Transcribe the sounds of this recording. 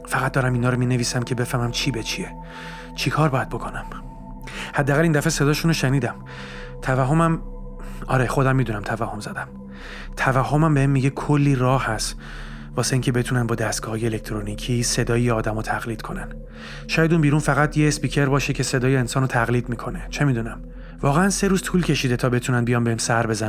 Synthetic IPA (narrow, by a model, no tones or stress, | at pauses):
fæɣæt̪̚d̪ɒːɾæminhɒːɾomineviːsæmcʰe̞be̞fæhmæmt͡ʃʰiːbet͡ʃʰie | t͡ʃʰikʰɒːɾbɒːjæd̪bo̞kʰo̞næm | hæd̪ːæːɣælind̪æfe̞se̞d̪ɒːʃunoʃeniːd̪æm | t̪ʰævæɦːo̞mæm | ɒ̰ːɾexo̞d̪æmːiːd̪unæmt̪ʰævæhːo̞mzæd̪æm | t̪ʰævæɦːo̞mæmbeemːiɟekʰolːiːrɒːhæst̪ | vɒːse̞iːŋcʰebe̞t̪ʰunænbɒːd̪æst̪ɡ̥ɒːhɒːjeele̞k̚ʰt̪ʰɾonicʰise̞d̪ɒːjjeɒːd̪æmɒt̪ʰæɣliːd̪̥̚kʰo̞næn | ʃɒːjæd̪unbiːɾunfæɣæt̪ʰjeːspiːcʰe̞ɾbɒːʃecʰe̞se̞d̪ɒːjeːnsɒːnot̪ʰæɣliːd̪miːkʰo̞ne̞t͡ʃʰe̞miːd̪unæm | vɒːɣe̞ænse̞ɾuːz̥t̪ʰuːlcʰe̞ʃiːd̪et̪ʰɒːbe̞t̪ʰunænbijɒːnbe̞hemsæɾbe̞zæn